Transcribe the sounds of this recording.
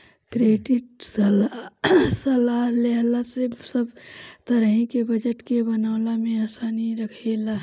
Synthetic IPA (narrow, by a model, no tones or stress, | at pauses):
kɾeːɖɪʈ̚sl | səlaːɦleɦlasesəbt̪əɾɦĩkebəd͡ʒəʈkebənawlamẽaːsaːniɾəkʰela